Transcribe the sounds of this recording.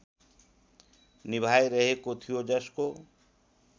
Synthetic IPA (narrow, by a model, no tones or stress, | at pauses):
nibʱajɾəɦekot̪ʰijod͡ʒʌsko